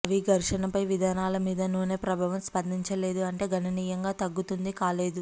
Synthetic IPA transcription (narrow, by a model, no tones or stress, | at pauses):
ɐʋiɡɐɾʂɐnɐpɐjʋid̪ʱaːnaːlɐmiːd̪ɐnuːne̞ːpɾɐbʱaːʋɐmspɐnd̪ʱiɲt͡ʃɐle̞ːd̪uɐɳʈe̞ːɡʱɐnɐniːjɐŋɡaːt̪ɐɡːut̪und̪ikaːle̞ːd̪u